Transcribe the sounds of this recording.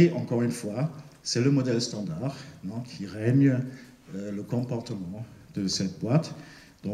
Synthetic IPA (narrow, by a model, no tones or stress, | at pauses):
eʔɑ̃kɔʁynfwasɛləmɔd̪ɛlst̪ɑ̃d̪aʁɛ̃kʲʰiʁɛɲə | øləkɔ̃pɔʁt̪əmɑ̃d̪̥əsɛt̪̚bwat̪ | d̪ɔ̃